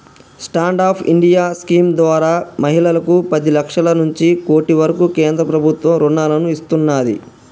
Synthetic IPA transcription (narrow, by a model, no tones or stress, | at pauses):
sʈaːɳɖaːpʰḭɳɖijaːskiːmd̪ʋaːɾaːmɐɦilɐlɐkupɐd̪ilɐkʂɐlɐnuɲt͡ʃiko̞ːʈiʋɐɾɐkukeːnd̪ɾɐpɾɐbʱut̪ʋɐmɾuɳːaːlɐnuist̪unːaːd̪ḭ